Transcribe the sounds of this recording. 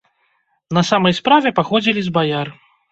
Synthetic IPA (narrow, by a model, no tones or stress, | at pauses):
nɐsamɐjspɾavʲɛpaxɔd͡zʲilʲizbajar